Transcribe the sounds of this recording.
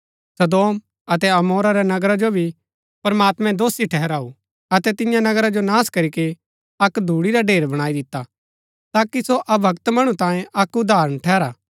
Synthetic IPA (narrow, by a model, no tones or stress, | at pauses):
sɐd̪oːm | ɐt̪ɛɐmoːɾaɾɛnɐɡɾad͡ʒobʱi | pɐɾmaːt̪mɛ̃d̪oːsiʈʰɛɦɛɾaːu | ɐt̪ɛt̪ɪ̃jãnɐɡɾad͡ʒonaːskɐɾike | ɐkd̪ʱuːɽiɾaɖʱeːɾbɐɽ̃aːid̪ɪt̪ːa | t̪aːkisoʔɐbʱɐkt̪mɐɽ̃ut̪ãːjẽʔɐkʊd̪ʱaːɾə̃ɽ̃ʈʰɛːɾaː